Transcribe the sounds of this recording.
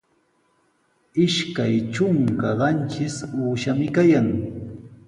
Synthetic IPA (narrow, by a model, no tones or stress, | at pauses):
ɪʃkajt͡ʃʊŋkaɢɑnt͡ʃɪsuːʃamɪkajaŋ